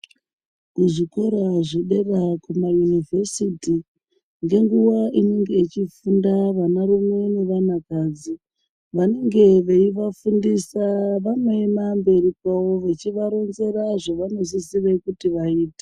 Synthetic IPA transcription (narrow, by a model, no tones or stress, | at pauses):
kuʐikoɾaʐiɗerakumajunivʱe̞siti | ŋɡeŋɡuʋaʔineŋɡe̞it͡ʃifundaʋanaɾumwene̞ʋanakaːd͡zi | ʋane̞ŋɡe̞ʋe̞iʋafundisaʋanoemambe̞ripawo̞ʋet͡ʃiʋaɾo̞nze̞ɾaʐoʋano̞sisirekutiʋaiːte̥